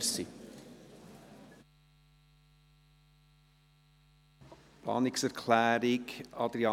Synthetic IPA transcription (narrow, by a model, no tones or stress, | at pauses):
si | plɑ̰ːnɪksɛɾkʰlæːɾɪkɑdɾiɑ